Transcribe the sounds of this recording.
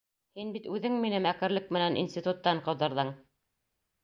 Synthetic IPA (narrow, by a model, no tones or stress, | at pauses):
hinbit̪ʉðɘŋminɘmækɘ̆ɾlɘk̚mɘ̆nænʔḭnsʲt̪ʲit̪ut̪ːɑɴqɤ̆wðɤ̆ɾðɤɴ